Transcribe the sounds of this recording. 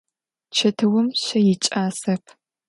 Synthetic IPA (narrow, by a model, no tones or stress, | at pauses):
t͡ʃʰɐtʰɨwʊmɕɐjɪt͡ʃʼaːsɐpʰ